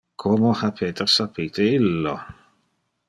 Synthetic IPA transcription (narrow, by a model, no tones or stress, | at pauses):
kʰɔmɔhapʰɛdarsapʰitʰeɪlːɔ